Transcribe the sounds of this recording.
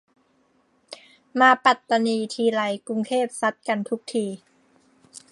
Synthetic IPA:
maː˧pa˨˩t̪ːa˧niː˧t̪ʰiː˧la˧jku˧ŋt̪ʰeː˥˩p̚sa˦˥t̪̚ka˧nt̪ʰu˦˥k̚t̪ʰiː˧

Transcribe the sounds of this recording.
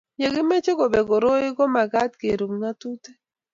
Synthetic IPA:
ɲe˨ɡɪ˦me˦t͡ʃe˦ɡo˨be˨ɡo˨ɾo˦ɪ˦ɡɔ˦ma˨ɡa˦tke˨ɾu˨mŋa˦tu˦te˦

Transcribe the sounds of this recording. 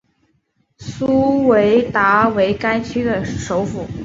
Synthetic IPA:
su˥we˧˥ɪt̪a˧˥we˧˥ɪka˥ɪt͡ɕʰy˥d̪ə˨ʂo˧˥ʊfu˨˩˦

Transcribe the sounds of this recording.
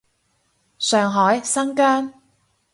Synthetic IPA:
sœː˨ŋɦɔː˨˥jsɐ˥ŋkœː˥n

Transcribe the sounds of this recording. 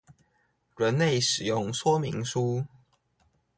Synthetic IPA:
ɻə˨˦nle˥˨ɪʂɻ̩˨˩jʊ˥˨ŋswɔ˦mi˧˥ŋʂu˦

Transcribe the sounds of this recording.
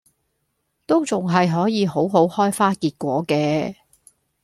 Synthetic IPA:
t̪o˥wt͡sʊ˨ŋɦɐ˨jɦɔː˨˥jiː˨˧ɦo˨˥wɦo˨˥whɔː˥jfaː˥kiː˧t̚kʷɔː˨˥kɛː˧

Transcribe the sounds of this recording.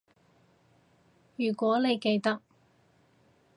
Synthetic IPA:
jyː˨˩kʷɔː˨˥le˨˧jke˧jt̪ɐ˥k̚

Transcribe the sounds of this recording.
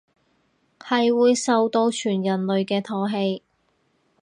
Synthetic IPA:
hɐ˨jwuː˨˧jsɐ˨wt̪o˧wt͡ʃʰyː˨˩njɐ˨˩nlɵ˨ɥkɛː˧t̪ʰɔː˧ɦe˧j

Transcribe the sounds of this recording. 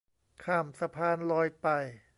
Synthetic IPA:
kʰaː˧˩msa˧pʰaː˧nlɔː˧jpa˨˩j

